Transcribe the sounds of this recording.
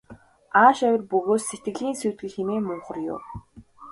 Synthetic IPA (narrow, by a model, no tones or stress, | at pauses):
aːʃœwʲɪ̆rpɵɣoːsːet̪ɡɘ̆ɮiːnsuːt̪ɡɘ̆ɮxeneːmʊɴχə̆rjʊ̰ː